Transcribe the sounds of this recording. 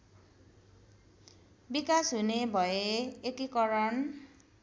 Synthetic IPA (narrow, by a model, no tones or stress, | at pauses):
bikasɦunebʱʌeekikʌɾʌn